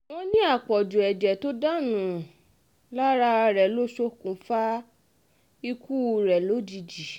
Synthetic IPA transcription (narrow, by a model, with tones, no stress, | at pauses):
w̃õ˧nĩ˦a˦˨k͡pɔ˨d͡ʒu˨ɛ˨d͡ʒɛ˨to˦da˦nũ˨ | la˦ɾa˧ɾɛ˨lo˦ʃo˦kũ˨fa˦ | i˧ku˦˧ɾɛ˨lo˨˦d͡ʒi˧d͡ʒi˨